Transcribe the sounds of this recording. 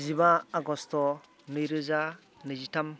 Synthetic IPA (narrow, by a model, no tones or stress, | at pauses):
zibaːɡɔstɔ | nɯjɾɯza | nɯzitam